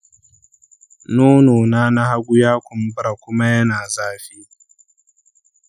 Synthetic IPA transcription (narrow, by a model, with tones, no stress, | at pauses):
noː˦noː˨naː˦na˦ha˦ɡʷʊ˦jaː˦kʷʊ˨m˦bɾa˨kʷʊ˦ma˦jɐ˦naː˨zaː˦ɸiː˦